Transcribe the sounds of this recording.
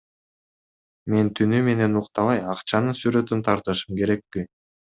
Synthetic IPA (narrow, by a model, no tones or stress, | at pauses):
me̞nt̪ʰynyme̞ne̞nuqt̪ɑlˠɑjɑqt͡ʃɑnɯsyɾø̞t̪ynt̪ʰɑɾt̪ɯʃɯmke̞ɾe̞k̚pi